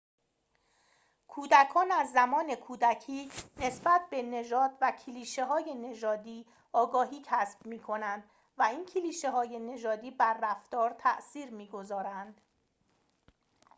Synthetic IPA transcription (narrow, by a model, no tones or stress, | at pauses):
kʰuːd̪ækʰɒːnæzːæmɒːne̞kʰuːd̪æcʰiːne̞sbæt̪̚ʰbe̞ne̞ʒɒːd̪̥væcʰeliːʃe̞ɦɒːje̞ne̞ʒɒːd̪iː | ɒːɡɒːɦiːcʰæsb̥̚miːkʰo̞nænd̪̥ | væiːncʰiliːʃe̞ɦɒːje̞ne̞ʒɒːd̪iːbæɾːæft̪ɒːɾt̪ʰæʔsiːɾmiːɡo̞zɒːɾænd̪̥